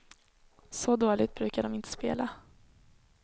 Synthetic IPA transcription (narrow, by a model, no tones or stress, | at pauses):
sɔd̪oːlɪt̪̚bɾʉ̟ːkaɖɔmɪnt̪ʰə̥speːla